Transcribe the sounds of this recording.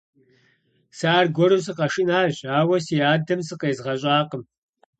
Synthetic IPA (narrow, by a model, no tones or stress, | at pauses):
saːrɡʷɔɾɨsɨqɐʃɪnaːʑaːwɐsiːjaːdɐmsɨqeːzʁɐɕʼaːqəm